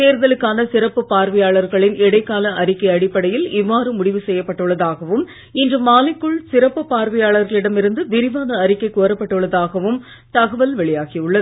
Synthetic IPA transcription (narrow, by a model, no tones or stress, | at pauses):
t̪eːɾðɐlɯkːaːnɐsɪɾɐpːɯpaːɾʋɐjaːɭɐɾɣɐɭɪnɛɽɐɪkːaːlɐʔɐɾɪkːɐɪɐɽɪpːɐɽɐjɪlɪʋːaːɾɯmʊɽɪʋɯsɛjːɐpːɐʈːɯɭːɐðaːɣɐʋɯm | ɪndrɯmaːlɪkːɯɭsɪɾɐpːɯpaːɾʋɐjaːɭɐɾɣɐɭɪɽɐmɪɾɯnd̪ɯʋɪɾɪʋaːnɐːɾɪkːɐɪkoːɾɐpːɐʈːɯɭːɐðaːɣɐʋɯm | t̪ɐɣɐʋɐlʋɛɭɪjaːɣiʊɭːɐðɯ